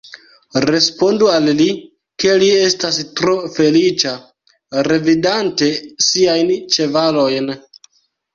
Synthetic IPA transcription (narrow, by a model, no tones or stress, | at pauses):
ɾe̞spo̞ndualːi | ke̞lie̞stastɾo̞fe̞lit͡ʃa | ɾe̞vidante̞siajnt͡ʃe̞valo̞jn